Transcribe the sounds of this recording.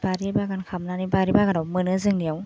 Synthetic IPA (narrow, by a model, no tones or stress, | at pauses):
baɾibaɡankʰamnanibaɾibaɡanawmɯnɯzɯŋnijaw